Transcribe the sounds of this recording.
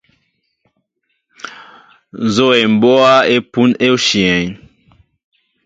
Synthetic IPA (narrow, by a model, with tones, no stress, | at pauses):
n˨zo˦e˨m̩˨bɔ˦a˦e˦pu˦ne˦o˦ʃi˨ɛ˨ɲ